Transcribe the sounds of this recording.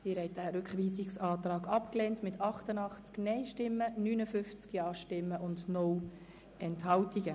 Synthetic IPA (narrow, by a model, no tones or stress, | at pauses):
siɾhɛɪt̚dæːɾʏkχʋiːsiksɑːt̪rɑːɡɑpkleːntmɪtʰɑχtənɑχt͡sknɛɪʃtɪmːənyːnəfʏft͡skjɑːʃtɪmːəʔʊndnɔw | ɛnthɑwtiɡə